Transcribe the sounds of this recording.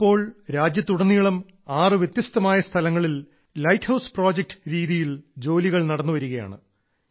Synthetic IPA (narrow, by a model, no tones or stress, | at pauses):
pːo̞ːɭɾaːd͡ʑjɐt̪ːuɽɐnːijɐɭɐm | aːrɨʋjet̪jɐst̪ɐmaːjɐst̪ʰɐlɐŋːɐɭil | lɐjthɐwspro̞ːd͡ʑek̚ʈɨ̥ɾiːðijild͡ʑo̞ːliɣɐɭnɐɽɐnːuʋɐɾuɣɐja̰ːɳɨ̰